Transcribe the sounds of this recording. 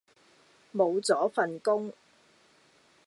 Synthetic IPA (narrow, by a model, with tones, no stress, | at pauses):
mo˨˧wt͡sɔː˨˥fɐ˨nkʊ˥ŋ